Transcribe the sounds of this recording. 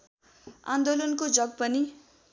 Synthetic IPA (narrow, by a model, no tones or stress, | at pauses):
a̰nd̪olʌnkod͡zʌɡ̚pʌni